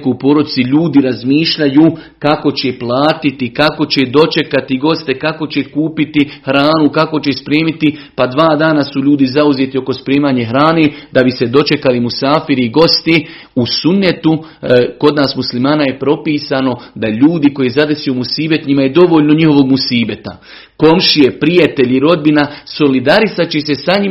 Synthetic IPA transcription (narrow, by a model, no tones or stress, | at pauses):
koupo̞ːɾo̞d̪it̪siʎuːd̪iɾazmiːʃʎajuː | kako̞t͡ɕe̞plˠaːt̪it̪ikako̞t͡ɕed̪o̞t͡ʃe̞kat̪iɡo̞st̪e̞kako̞t͡ɕe̞kuːpit̪ihɾaːnukako̞t͡ɕe̞spɾeːmit̪i | pad̪ʋaːd̪aːnasuʎuːd̪izauzeːt̪io̞ko̞spɾeːmaːɲeɦɾaːne̞ːd̪abise̞d̪o̞t͡ʃe̞kalimusaːfiɾiɡo̞st̪i | usunːe̞t̪uko̞d̪naːsmuslimaːnaje̞pɾo̞piːsaːno̞d̪aʎuːd̪iko̞jezad̪e̞sijomusiːbe̞t̪ɲimajed̪o̞ʋo̞ːʎʲno̞ɲiɦo̞ʋo̞ɡmusiːbe̞t̪a̰ | ko̞mʃije̞pɾijat̪e̞ʎiɾo̞d̪̚binaso̞lid̪aɾisat͡ɕese̞saɲi